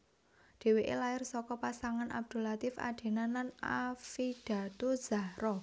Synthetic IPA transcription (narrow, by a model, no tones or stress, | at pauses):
d̪̥e̤weʔḛlaɪrsɔkɔpasaŋanʔa̰b̚d̪̥o̤lat̪ɪfa̰ɖ̪̥e̤nanlanafid̥ä̤t̪uz̥aɾɔ